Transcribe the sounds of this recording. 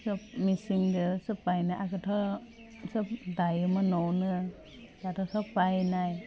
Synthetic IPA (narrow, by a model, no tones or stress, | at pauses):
sɯpmisiŋdɯsɯpajnaʔakat̪ʰɔ | sɯp̚dajɯmanɔnɯ | dat̪ʰɔsapajnaj